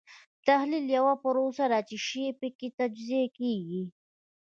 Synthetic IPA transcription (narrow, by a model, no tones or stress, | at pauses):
t̪ahliljawapəɾosaɾat͡ʃiʃeepəkit̪ad͡ʒziekeɡi